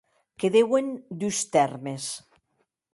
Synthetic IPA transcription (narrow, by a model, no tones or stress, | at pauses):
keðewend̪ust̪ɛɾmes